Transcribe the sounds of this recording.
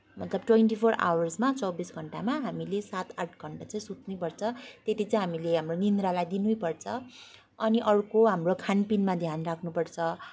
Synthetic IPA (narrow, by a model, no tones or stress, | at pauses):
mʌt̪lʌb̚ʈweɳʈipʰora̰wʌrsmat͡sʌwbisɡʱʌɳʈamaɦamilesat̪aʈʰɡʱʌɳʈat͡sʌĩsut̪nujpʌrt͡sʰʌt̪et̪it͡sʌĩɦamileɦamronind̪ɾalajd̪inujpʌrt͡sʰʌ | ʌniʔʌɾukoɦamrokʰanpinmad̪ʱjanrakʰnupʌrt͡sʰʌ